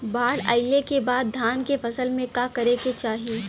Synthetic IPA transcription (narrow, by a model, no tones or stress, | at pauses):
baːɽa̰ːɪekebaːd̪ːʱaːnkefɐsəlmẽkakɐɾeket͡ʃaːɦie